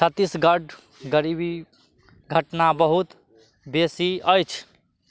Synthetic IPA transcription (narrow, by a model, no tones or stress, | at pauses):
t͡ʃʰət̪ːisɡəɖ | ɡəɾibi | ɡʱəʈnabəɦut̪ | besiəjt͡ʃʰ